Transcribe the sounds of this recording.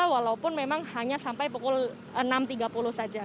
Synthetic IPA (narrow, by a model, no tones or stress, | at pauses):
awalaupʊnmemaŋhaɲasampajpukʊl | ənamt̪iɡapulʊhsad͡ʒa